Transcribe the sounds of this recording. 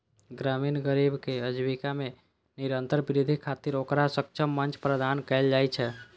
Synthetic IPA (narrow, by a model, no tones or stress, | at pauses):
ɡɾaminɡəɾibkeəd͡ʒbikame | niɾənt̪əɾbiɾid̪ʱikʰat̪iɾokɾasək̚t͡ʃʰəmːənt͡ʃpɾəd̪ʱankɛld͡ʒajt͡ʃʰɛ